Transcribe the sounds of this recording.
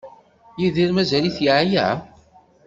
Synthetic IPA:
jiðiɾmæzæliθjiʕja̰ʕ

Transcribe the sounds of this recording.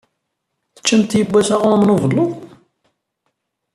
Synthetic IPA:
θə̥t͡ʃːəmt̪jəbʷːæsaʁʊmnʊvəlˤːʊ

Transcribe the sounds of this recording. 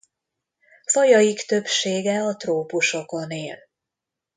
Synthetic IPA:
fɒjɒjikt̪ø̞pʃeːɡɛɒt̪roːpuʃo̞ko̞neːl

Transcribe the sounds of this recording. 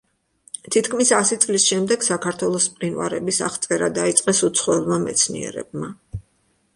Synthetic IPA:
t̪ʰit̪kʰmisasit̪sʼlisʃɛmd̪ɛɡ̥sakʰaɾt̪ʰwɛlˠɔspʼqʼinwa̰ɾɛbisa̰χt̪sʼɛɾad̪ait̪sʼqʼɛsut̪sʰχwɛlˠmamɛ̰t̪sʰnḭɛ̰ɾɛ̰b̚ma

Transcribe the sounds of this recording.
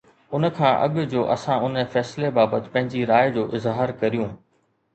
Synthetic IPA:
ʊn̆kʰãːʔɐ̰ɠʊd͡ʑoːʔɐ̰sãʊnfɛːsɪlebaːbət̪ɪ̥̆pɐ̃ɦɪ̃ɲd͡ʑiɾaːjd͡ʑoːʔɪzɦaːɾkɐɾijũː

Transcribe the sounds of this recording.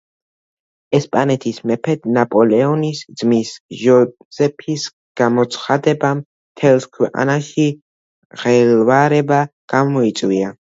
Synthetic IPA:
ɛspʼanɛt̪ʰismɛpʰɛd̪napʼɔlɛɔnisd̪z̥misʒɔ | zɛpʰis | ɡ̥amɔt̪sʰχad̪ɛbam | t̪ʰɛlˠskʰwɛqʼa̰naʃi | ʁɛlvaɾɛbaɡ̥amɔit̪sʼwia

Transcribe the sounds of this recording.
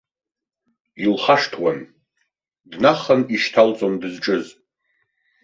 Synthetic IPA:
ilχaʂtʰwan | dnaχəniʃtʰalt͡sʼondɨzʈ͡ʂʼɨz

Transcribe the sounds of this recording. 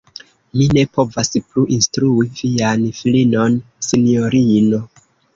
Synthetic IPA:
mine̞po̞vaspluʔinstɾuivianfilino̞n | sinio̞ɾino̞

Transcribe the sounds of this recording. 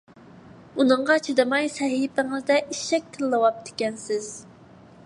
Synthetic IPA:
unɨɴʁɑt͡ʃʰed̪ɨmɑjsɛɦipɪŋɪzd̪ɛʔiʃɛk̚ʲt̪ʰɪlːɨwɑp̚d̪ʰe̥kʲɛnsɪz̥

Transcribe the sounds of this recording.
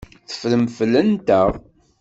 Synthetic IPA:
θə̥fləmflːənt̪æʁ

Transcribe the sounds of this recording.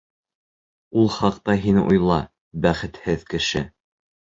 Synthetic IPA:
ulˠχɑq̚t̪ɑɦinṵjlˠɑ | bæχɘ̆t̪hɘðkɘ̆ʃɘ

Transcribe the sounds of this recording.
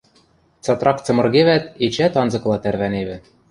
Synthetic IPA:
t͡sɑt̪rɑkt͡sɤ̆mɤ̆rɣeβæt̪et͡ɕæt̪ɑnzɤ̆klˠɑt̪ærβæneβɘ̆

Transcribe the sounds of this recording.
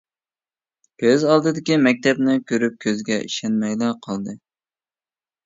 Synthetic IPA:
bøzɑlˠd̪ɨd̪ɪkʲimɛk̚ʲt̪ʰɛbnɪkʲʰøɾyp̚kʲʰøzɡʲɛʔḭʃɛnmɛjlɛqʰɑlˠd̪ɨ

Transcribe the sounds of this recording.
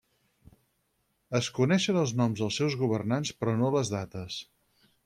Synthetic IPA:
əskunɛʃənəlˠznɔmzðəlˠsɛwzɣuβ̞ərnanspɾɔnoləzðat̪əs

